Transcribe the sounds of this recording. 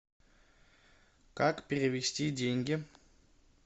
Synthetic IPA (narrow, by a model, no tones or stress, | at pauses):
kakpʲɪɾʲɪvʲɪsʲtʲidʲeŋʲɡʲɪ